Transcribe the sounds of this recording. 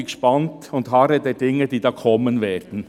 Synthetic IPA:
ɪkʃpɑntʊndɦɑɾədɛːdɪŋːəd̥iːdɑːkʰɔmːənvɛːɾd̥n̩

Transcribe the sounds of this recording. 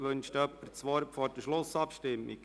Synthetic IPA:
ʋɵnʃtœpəɾt͡sʋɔɾpfɔɾd̥əʃlʊsɑpʃtɪmːḭk

